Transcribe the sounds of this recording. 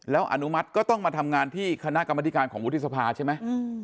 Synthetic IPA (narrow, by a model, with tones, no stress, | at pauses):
lɛː˦˥wʔa̰˧˩nu˦˥ma˦˥t̪̚kɔː˥˩t̪ɔ˥˩ŋmaː˧t̪ʰa˧mŋaː˧nt̪ʰiː˥˩kʰa˧na˦˥ʔka˧mːa˧t̪i˦˥kaː˧nkʰɔː˩ŋwu˦˥t̪ʰːi˥sa˧pʰaː˧t͡ɕʰa˥˩ma˦˥j